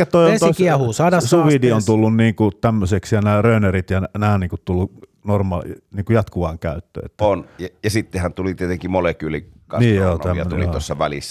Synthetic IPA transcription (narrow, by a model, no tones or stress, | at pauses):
kætt̪oist̪oiskiɛhuːsɑːdɑssuʋidiont̪ulːunniːŋkut̪æmːøseksjɑnæːrøˑynærit̪jɑnnæːniːŋkut̪t̪ulːu | normɑ̰niːŋkujɑt̪kuʋɑːŋkæyt̪ːø̰ːḛt̪ːonjɑjɑsit̪ːehænt̪ulit̪iet̪eŋkimolekyːlikɑ̰nsiːjoːt̪æjːønulḭoosːɑʋælḭsːæ